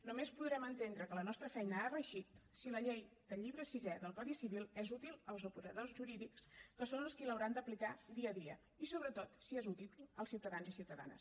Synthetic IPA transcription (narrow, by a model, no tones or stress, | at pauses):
numespuðɾɛmənt̪end̪ɾəkələnɔst̪ɾəfɛjnəarəʃit̪siləʎejd̪̥əʎiβɾəsizɛðəlˠkɔðisiβilˠɛzut̪ilˠəlˠzupuɾəðozʒuɾiðikskəsonəlˠskiləwɾand̪əplikad̪iəðiə̰ | isoβɾət̪ot̪siɛzut̪iəlˠsiwt̪əðanzisiwt̪əða̰nə̰s